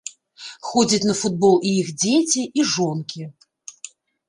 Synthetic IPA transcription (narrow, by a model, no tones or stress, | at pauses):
xɔd͡zʲɐt͡sʲnɐfud̪̚bɔlˠiixd͡zʲet͡sʲiʔiʐɔnkʲi